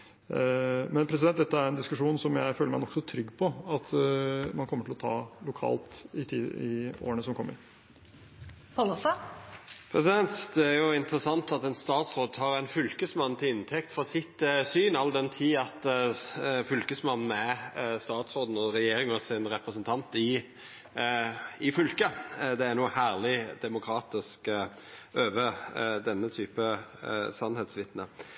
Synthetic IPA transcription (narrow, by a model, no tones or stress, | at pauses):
mɛnpʰɾɛs̬ɪdɛnt̪̚d̪ɛt̪ːəæɾɛnd̪ɪskʉʂuːnsɔmjæɪføːləɾmæɪnɔksɔt̪ʰɾʏɡːpʰɔɑt̪mɑnkʰɔmːəʈʰɪlɔt̪ʰɑːlʊkʰɑ̰ːlt̪ɪt̪ʰiːɪ̰o̰ːɾənəsɔmkʰɔmːə̰ɾ | pʰɑlɔst̪ɑ | pʰɾɛsɪd̪ɛnt̪d̪ɛæɾjʊɪnt̪ɾəsɑnt̪ɑt̪ɛnst̪ɑːt̪sɾoːd̪̚t̪ʰɑːɾɛnfʉlkəsmɑnːt̪ʰɪlɪnt̪ʰɛkt̪fɔsɪt̪syːnɑlːd̪ɛnt̪ʰiːɑt̪ | fʏlkəsmɑnn̩æst̪ɑːt̪sɾoːd̪n̩ɔɾɛjeːɾɪŋɔsɪnɾɛpɾəsənt̪ʰɑnt̪ɪ | ɪfʏlkəd̪ɛæɾnuːhæːʁlɪd̪ɛmʊkʰɾɑːt̪ɪsk | ʔøːʋəd̪ɛnːət̪ʰyːpəsɑnhɛt̪sʋɪt̪nə̰